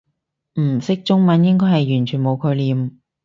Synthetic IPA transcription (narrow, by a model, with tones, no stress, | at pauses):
m̩˨˩sɪ˥k̚t͡ʃʊ˥ŋmɐ˨˥njɪ˥ŋkɔː˥jhɐ˨jːyː˨˩nt͡ʃʰyː˨˩nmo˨˧wkʰɵ˨˧liː˨˩m